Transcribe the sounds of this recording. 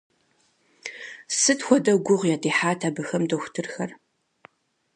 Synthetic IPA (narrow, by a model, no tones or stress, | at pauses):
sɨtxʷɔdɐɡʷʊʁjaːtʰiːħaːtʰabɨxɐmdoxʷtʰɨrxɐr